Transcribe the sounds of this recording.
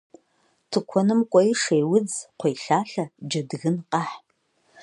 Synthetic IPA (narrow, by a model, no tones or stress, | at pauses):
tʰɨkʷʰɔnɨmkʷʼɔjiʂejwʊd͡zqʷʰejɬaːɬɐd͡ʒɐdɣɨnqɑħ